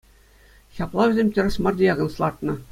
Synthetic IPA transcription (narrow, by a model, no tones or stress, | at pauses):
çʲɑplˠɑʋʲɘ̆zʲemʲtʲɘ̆rʲɘ̆smɑrdʲejɑɡɤ̆nslˠɑrt̪nɤ̆